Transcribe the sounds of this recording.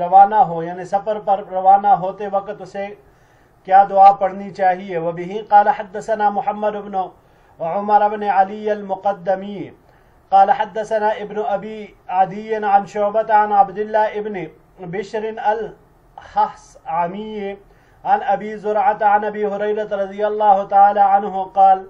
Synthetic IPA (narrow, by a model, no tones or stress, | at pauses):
ɾɐʋaːnaɦoːjaːnisɐfəɾpɐɾɾɐʋaːnaɦoːt̪eʋɐkt̪ʊse | kjaːd̪ʊaːpɐɽnit͡ʃaːɦieʋɐbɪɦiqɑːlɐħɐd̪ːɐsɐnaːmʊħɐmːɐd̪ʊbnʊ | ʕʊmɐɾɐbneʕɐlijɐlmʊqɐd̪ːɐmiː | qɑːlɐħɐd̪ːɐsɐnaːʔɪbnʊʔɐbiː | ʕɐd̪ijɪnʕɐnʃʊːbɐt̪aʕanʕɐbd̪ɪlːaːɪbnɪ | bɪʃɾɪnɐl | hɐhsʕɐmiːj | ʕɐnɐbiːzʊɾʕat̪aʕanɐbiːɦʊɾɐjɾɐt̪ɾɐd̪ijɐlːaːɦʊt̪ɐʕaːlaːʕɐnɦʊqɑːl